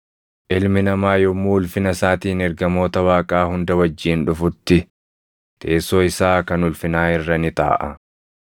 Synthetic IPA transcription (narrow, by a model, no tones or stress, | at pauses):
ʔɪlmɪnɐmaːjɔmːuːʊlfɪnɐsaːt̪iːnɛɾɡɐmo̞ːt̪ɐwaːkʼaːhʊnd̪ɐwɐd͡ʒːiːnᶑʊfʊt̪ːɪ | t̪ʰe̞ːso̞ːɪsaːkɐnʊlfɪnaːɪrːɐnɪt̪a̰ːʔɐ